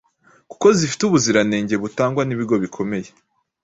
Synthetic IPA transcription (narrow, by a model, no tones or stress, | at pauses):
ku̥ko̞zifi̥tuβuziɾane̞ːɲɟe̞βutaːŋɡwaniβiɾɡo̞βikʰo̞me̞je̞